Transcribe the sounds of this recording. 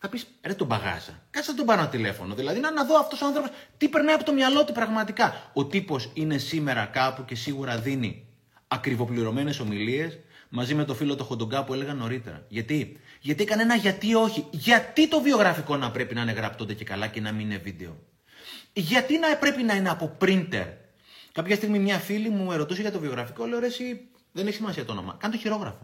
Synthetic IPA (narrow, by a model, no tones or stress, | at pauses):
θɐpiset̪obɐɣɐ̰sɐ̰kɐsðɐt̪obɐnɐot̪ile̞fo̞no̞ðilɐðinɐnɐðo̞ɐft̪o̞soɐnθɾo̞po̞st̪ipe̞ɾnɐjɐpo̞t̪omɲɐlo̞t̪ipɾɐɣmɐt̪ikɐo̞t̪ipo̞sine̞sime̞ɾɐkɐpuce̞siɣuɾɐðini | ɐkɾivo̞pliɾo̞me̞ne̞so̞milie̞smɐzime̞t̪o̞filo̞t̪o̞xod̪oɡɐpue̞le̞ɣɐno̞ɾit̪e̞̰ɾɐ̰ʝɐt̪iʝɐt̪iekɐne̞nɐʝɐt̪io̞çiʝɐt̪it̪o̞vio̞ɣɾɐfiko̞nɐpɾe̞pinɐːne̞ɣɾɐpt̪ond̪ece̞kɐlɐce̞nɐmiinevid̪e̞o̞ | ʝɐt̪inɐpɾe̞pinɐine̞ɐpo̞pɾint̪e̞̰ɾ | kɐpçɐst̪iɣmimɲɐfilimue̞ɾo̞t̪useʝɐt̪ovio̞ɣɾɐfikoleoɾesi | ðe̞ne̞çisimɐsiɐt̪ono̞̰mɐ̰kɐnt̪oçiɾo̞ɣɾɐfo̞